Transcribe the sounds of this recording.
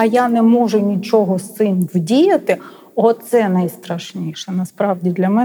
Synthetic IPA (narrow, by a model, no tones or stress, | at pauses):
ɐjanɛmɔʒʊnʲit͡ʃɔɦɔsɪnʋdʲijɐt̪ɪ | ɔt̪sɛnɐjst̪ɾɐʃnʲiʃɛnɐspɾɑʋdʲid̪lʲɐmɛ